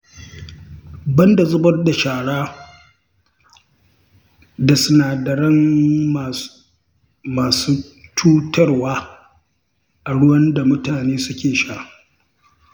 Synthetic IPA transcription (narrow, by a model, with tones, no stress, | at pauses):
bɐ˦nda˨zʊ˦bɐ˦rda˨ʃaː˨ɽaː˦ | da˨sʊ˦naː˨dɐ˨ɽɐ˦ŋ˨ | maː˨suː˦tʰuː˦tɐ˦rwaː˦ | ʔa˨ɽʊ˦wɐ˦nda˨mʊ˦taː˨neː˦sʊ˦kʲeː˨ʃaː˦˨